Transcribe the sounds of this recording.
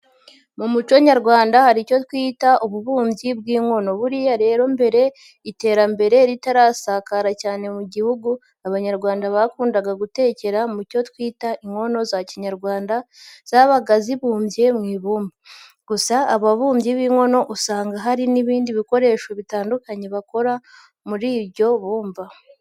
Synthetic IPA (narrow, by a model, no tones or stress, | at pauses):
mumut͡ʃoɲaɾɡwaːndahaɾico̞twiːtaʔuβuβuːmbjibɡiːŋo̞no̞βuɾijaɾe̞ːɾo̞mbe̞ɾe̞ | ite̞ːɾambe̞ɾe̞ɾitaɾasakaɾacaːne̞muɟihuɡu | aβaɲaɾɡwaːndaβakuːndaɡaɡute̞ːce̞ɾamuco̞twiːtaʔiŋo̞no̞zaciɲaɾɡwaːndaz̥aβaɡaziβuːmbje̞mŋiːβuːmba | ɡ̥usaːβaβuːmjiβiːŋo̞no̞ʔusaːŋɡaɦaɾiniβiːndiβiko̞ɾe̞ːʃo̞βitaːndukaɲe̞βako̞ɾa | muɾiːβɟo̞βuːmva